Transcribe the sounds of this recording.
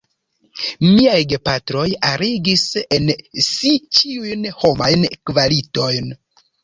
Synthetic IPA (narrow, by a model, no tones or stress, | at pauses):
miajɡepatɾo̞jaɾiɡise̞nsit͡ʃiujnho̞majnkvalito̞jn